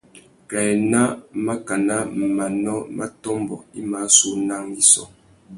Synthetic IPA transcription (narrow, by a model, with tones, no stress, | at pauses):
kɛ˨ɛ˨na˦ma˦ka˨na˦m˨ma˨nɔ˦mʔa˦tɔ˦mbɔ̰˨i˦ma˨˦su˦na˦ŋi˦sɔ̰˨